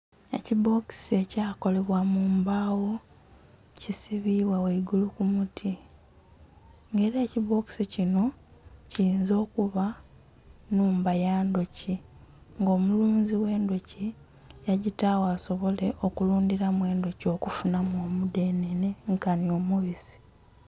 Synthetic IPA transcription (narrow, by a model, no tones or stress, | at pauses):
e̞̰cibo̞ki̥se̞caːkole̞βwamuːmbaːwo̞ | cisiβiβwaweiɡulukumutʰi | ŋɡe̞ːɾeːciβo̞ki̥sicino̞ciiːnzo̞ːkuβa | nuːmbajaːndo̞ci | ŋɡo̞ːmuluːnziwe̞ːndo̞ci | jaɟitawaːso̞βo̞le̞ʔo̞kuluːndiɾamwe̞ːndo̞co̞kufunamoːmudeːnene̞ŋkanio̞muβizi̥